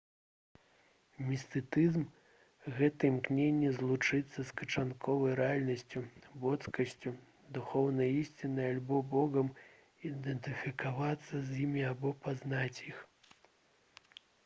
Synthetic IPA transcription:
mʲist̪ɨt̪ɨzm | ɣɛt̪ɐimknʲenʲːɛzlˠut͡ʂɨt̪sːɐskɐt͡ʂankʰɔvɐjɾɛalʲnɐsʲt͡sʲubɔt̪skɐsʲt͡sʲu | d̪uxɔwnɐjisʲt͡sʲinɨjalʲbɔbɔɣɐm | id̪ɛnt̪ɨfʲikavat̪sːɐzʲjimʲiabɔpaznat͡sʲjix

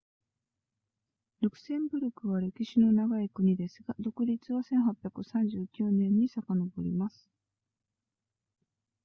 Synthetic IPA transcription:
ɾokɯ̟̥sẽ̞mbɯ̟ɾʲɯkɯ̟βaɾe̞kʲiɕino̞naɡaikɯ̟ɲ̟id̪e̞sɨɡad̪o̞kɯ̟ɾʲit͡sɨβasẽ̞ɰ̃ɦapʲjakɯ̟sãɲ̟d͡ʑɨːkʲɯːnẽ̞ɲ̟ːisakano̞bo̞ɾʲḭmasɨ̥

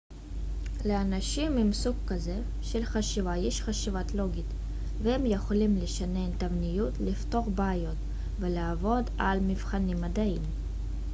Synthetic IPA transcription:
leanaʃimimsukkːaze | ʃelχaʃivajeʃχaʃivat̪lo̞ɡit̪ | vehemjeχolimleʃanent̪avnijut̪lift̪o̞χbeːjo̞t̪ | veleavo̞d̪almivχanimːad̪aim

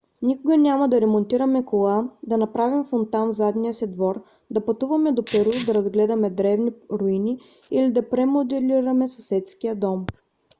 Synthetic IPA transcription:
nikʊɡɐnʲamɐd̪ɐɾɛmont̪iɾɐmɛkolˠad̪ɐnɐpɾavimfont̪anvzad̪nijəsid̪vɔɾ | d̪ɐpɐt̪uvɐmɛd̪opɛɾud̪ɐɾɐzɡlɛd̪ɐmɛd̪ɾɛvniɾoini | ilid̪ɐpɾɛmod̪ɛliɾɐmɛsɐsɛt̪skijəd̪ɔm

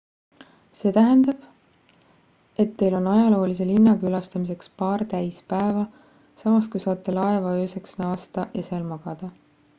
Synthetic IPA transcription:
se̞ːt̪æɦend̪ɑb̥ | e̞t̪ːe̞jlo̞nɑjɑlo̞ːlis̬e̞linːɑkylɑst̪ɑmis̬e̞kspɑːrt̪æjspæevɑ | sɑmɑskujsɑːt̪ːˑelɑevɑøːseksnɑːst̪ɑʔjɑseːlmɑɡ̥ɑd̪̥ɑ

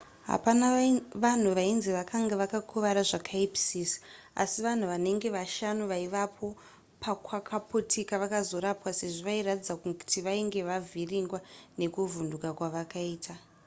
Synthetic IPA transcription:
ɦa̰panaʋan̤uʋainziʋakʰaŋɡaʋakakʰuʋaɾaʐakʰaipi̥sis | a̰siʋan̤uʋane̞ŋɡe̞ʋaʃanuʋaiʋapʰo̞ | pakwakʰaputʰikaʋakazo̞ɾapwase̞ʐoʋairatid͡zakuku̥tiʋaiŋɡe̞ʋavʱiriŋɡwane̞kuvundukakwaʋakaiːtʰa

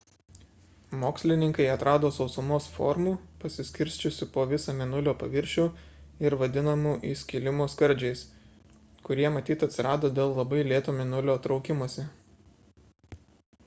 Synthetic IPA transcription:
moːksʲlʲɪnʲɪŋkɐɪɐt̪ɾɑːd̪oːsɒʊsʊmoːsfɔ̰ɾmuːpɐsʲɪsʲkʲɪɾʲsʲt͡ʃʲʊsʲɪpoːʋʲɪsɐmʲɪnʊlʲoːpɐʋʲɪɾʲʃʲuːɪɾʋɐd̪ʲɪnɐmuːʔiːsʲkʲɪlʲɪmoːskɐɾʲˑd͡ʒʲɛɪs | kʊɾʲiɛmɐt̪ʲiːt̪ɐt̪ʲsʲɪɾɑːd̪oːd̪ʲeːlˠlˠɐbɐɪlʲeːt̪oːmʲɪnʊlʲoːt̪ɾɒʊkʲɪmuɔsʲɪ

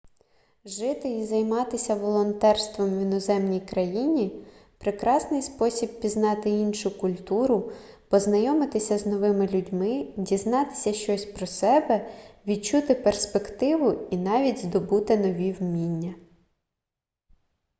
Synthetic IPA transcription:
ʒɪt̪ɪizɐjmɑt̪ɪsʲɐʋɔlˠɔnt̪ɛrst̪ʋɔmʋʲinɔzɛmnʲijkɾɐjinʲipɾɪkɾɑsnɪjspɔsʲib̚pʲiznɑt̪ɪinʃʊkʊlʲt̪uɾʊ | pɔznɐjɔmɪt̪ɪsʲɐznɔʋɪmɪlʲudʲmɪdʲiznɑt̪ɪ̥sʲɐʃt͡ʃɔsʲpɾɔsɛbɛʋʲid̚t͡ʃut̪ɪperspekt̪ɪʋʊinɑʋʲidʲzd̪ɔbut̪ɪnɔʋʲiwmʲinʲːɐ

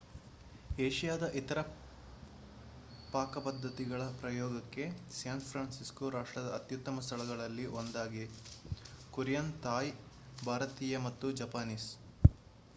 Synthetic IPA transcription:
eːʃijaːd̪ɐʔit̪ɐɾɐ | paːkɐpɐd̪ːɐt̪iɡɐɭɐpɾɐjɔːɡɐkːe̞sjaːnpʰɾaːnsiskuɾaːʂʈɾɐd̪ɐːt̪jut̪ːɐmɐst̪ʰɐɭɐɡɐɭɐlːiʔond̪aːɡi | kuɾjɐnt̪aːj | bʱaːɾɐt̪iːjɐmɐt̪ːud͡ʒɐpaːniːs

